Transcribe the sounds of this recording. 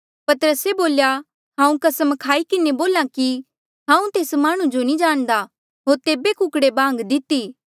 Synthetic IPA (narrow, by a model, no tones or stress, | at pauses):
pɐt̪əɾəseboːlja | ɦãːũkɐsəmkʰaːikɪneboːlãki | ɦãːũt̪eːsmaːɽ̃ũd͡ʒonid͡ʒaːɽ̃d̪a | ɦoːɾt̪eːbekʊkɽebãːŋɡd̪ɪt̪ːiː